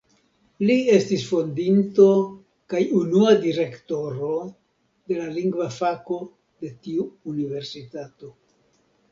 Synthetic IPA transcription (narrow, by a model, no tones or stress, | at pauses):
lie̞stisfo̞ndinto̞ | kajunuadiɾe̞kto̞ɾo̞ | de̞laliŋɡvafako̞ | de̞tiuːnive̞ɾsitato̞